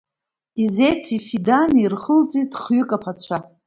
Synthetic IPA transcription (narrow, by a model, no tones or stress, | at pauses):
ize̞jtʷʰifidanirχəlt͡sʼitʼχɥʏkʼapʰat͡ɕʷʰa